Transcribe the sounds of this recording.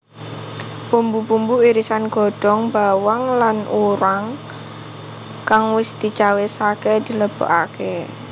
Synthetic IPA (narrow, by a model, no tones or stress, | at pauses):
pumbupumbuiɾisanɡ̥ɔ̤ɖ̥ɔ̤ŋbawaŋlanuɾaŋ | kaŋwɪsd̪̥i̤t͡ʃawesaked̪̥i̤ləb̥ɔ̰ʔake